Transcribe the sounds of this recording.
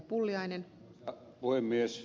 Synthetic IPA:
pulːjɑjnen | puhemːies

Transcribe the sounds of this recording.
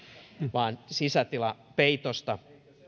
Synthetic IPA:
ʋɑːnsisæt̪ilɑpeit̪ost̪ɑ

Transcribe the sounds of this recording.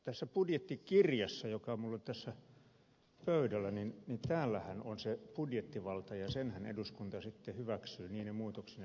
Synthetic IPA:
t̪æsːæpudjet̪ːikirjɑsːɑjokɑmulːot̪æsːæ | pøydælːˑæninnint̪æːlːæhænonsepudjet̪ːiʋɑlt̪ɑjɑsenhænḛduskunt̪ɑsit̪ːehyʋæksyːniːnemuːt̪oksin

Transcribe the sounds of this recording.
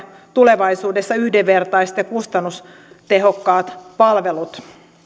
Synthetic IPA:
t̪uleʋɑisuːdesːɑyhdeʋʋert̪ɑist̪jɑkust̪ɑnːus | t̪eɦo̞kːɑːt̪pɑlʋelut̪

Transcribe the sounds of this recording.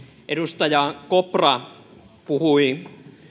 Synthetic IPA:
ʔeɾust̪ɑjɑkoprɑ | puhui

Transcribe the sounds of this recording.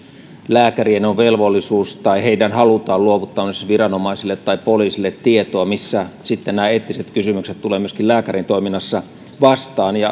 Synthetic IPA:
læːkærienoʋʋelʋolːisuːst̪ɑiheidænhɑlut̪ɑːluoʋut̪ːɑːmsʋirɑnomɑisilːet̪ːɑipoliːsilːet̪ːiet̪oɑmisːæsit̪ːennæːeːt̪ːiset̪kysymykset̪t̪uleːmyøskilæːkærint̪oiminːɑsːɑ | ʋɑst̪ɑːnjɑ

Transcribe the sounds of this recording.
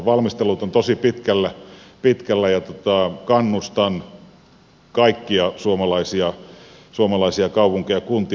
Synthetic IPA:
ʋɑlmist̪elˑut̪ont̪osipit̪kælːæpit̪kælːæjɑt̪ot̪ɑˑkɑnːust̪ɑn | kɑikːiɑsuomɑlɑisiɑsuomɑlɑisiɑkɑupuŋkejɑkunt̪i

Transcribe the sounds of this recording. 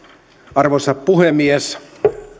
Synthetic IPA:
ɑrʋosɑppuhemies

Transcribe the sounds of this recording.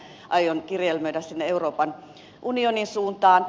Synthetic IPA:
ʔɑjonkirjelmøydæssinːeeuroːpɑn | ʔunioninsuːnt̪ɑːn

